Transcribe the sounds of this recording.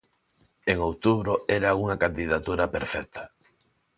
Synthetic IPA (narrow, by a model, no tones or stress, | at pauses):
eŋowt̪uβɾʊɛɾauŋakand̪iðat̪uɾapeɾfɛkt̪ʰḁ